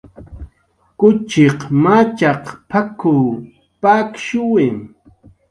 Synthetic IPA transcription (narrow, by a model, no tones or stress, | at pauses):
kʊt͡ʃɪqmat͡ʃɑqpʰaku | pakʃʊwɪm